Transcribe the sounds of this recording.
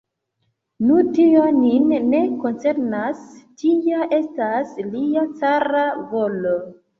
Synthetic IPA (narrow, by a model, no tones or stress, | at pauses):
nutio̞ninːe̞ko̞nt͡se̞ɾnastʰiaʔe̞stasliat͡saɾavo̞lo